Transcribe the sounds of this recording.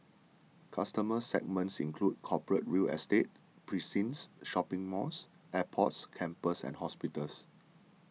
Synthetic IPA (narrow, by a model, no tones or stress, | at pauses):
kʰastəməsɛ̰ɡ̚mə̃ntsḭ̃nkʰlud̚kʰɔpəɹət̚ɹilɛ̰stet̚ | pʰɹisĩnsʃɔpɪ̃ŋmɔs | ʔɛpʰɔtskʰɛ̃mpəsɛ̰̃nhɔspitəls